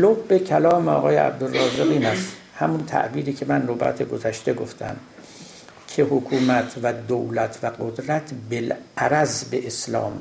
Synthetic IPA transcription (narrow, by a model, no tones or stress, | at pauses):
lobːe̞kʰælɒːmeɒ̰ːɣɒːjḛæ̰b̚d̪orːɒːzɾeɣiːnæst̪ | hæmunt̪ʰæ̰ʔbiːɾiːcʰe̞mænrobæ̰t̪ʰeɡozæʃt̪e̞ɡo̞ft̪ʰæ̰m | kʰe̞hokʰuːmæt̪ʰvæd̪owlæt̪ʰvæɡod̪ɾæt̪ʰbelæɾæzbeʔeslɒ̰ːm